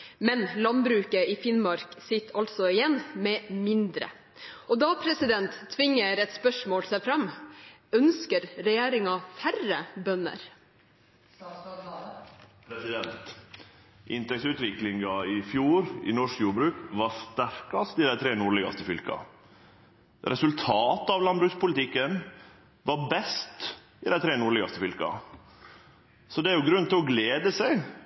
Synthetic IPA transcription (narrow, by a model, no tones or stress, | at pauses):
mɛnlɑnbɾʉːkəɪfɪnmɑɾksɪt̪ʰːɑlt̪sɔɪjɛnːmɛmɪnd̪ɾə̰ | ɔd̪ɑpʰɾɛsɪd̪ɛnt̪ʰːʋɪŋːəɾɛt̪spœʂmoːlsæɪfɾɑm | œnskəɾɾɛjeːɾɪŋɑfærəbœnːə̰ɾ | pɾɛsɪd̪ɛnt̪ | ʔɪnt̪ɛksʉːt̪ʋɪklɪŋɡɑɪfjuːɾɪ̰nɔʂkjuːɾbɾʉːkʋɑst̪æɾkɑst̪ɪd̪æɪt̪ʰɾeːnuːɭɛɡɑ̰st̪əfʏlkɑ̰ | ɾʔɛsʉlt̪ʰɑːt̪ɑʋlɑnbɾʉːkspʊlɪt̪ʰɪkːən | ʋɑɾbɛst̪ | ɪd̪æɪt̪ʰɾeːnʊɾɭɛɡɑst̪əfʏlkɑ̰ | sɔd̪ɛæɾjʊɡɾʉnt̪ʰɪlɔɡleːd̪əsæɪ